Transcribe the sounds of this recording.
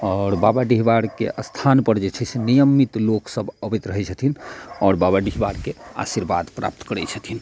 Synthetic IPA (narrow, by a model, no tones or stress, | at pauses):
ɔːɾbabaɖiɦbaɽkḛʔəst̪ʰanpəɾd͡ʒet͡ʃʰɛsenijəmːit̪loksəbəbɛt̪ɾəɦɛt͡ʃʰət̪ʰinɔːɾbabaɖiɦbaɽkea̰siɾbad̪pɾa̰p̚t̪kəɾɛt͡ʃʰət̪ʰin